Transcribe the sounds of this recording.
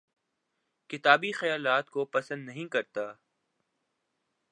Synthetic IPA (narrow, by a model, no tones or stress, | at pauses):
kɪt̪aːbixɐjaːlaːt̪kopɐsə̃nd̪nɐɦĩkɐɾt̪aː